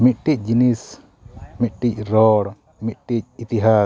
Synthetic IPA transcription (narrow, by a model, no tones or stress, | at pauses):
mit̪̚ʈic̚ˀd͡ʒinis | mit̪̚ʈic̚ɾɔɽ | mit̪̚ʈic̚it̪iɦa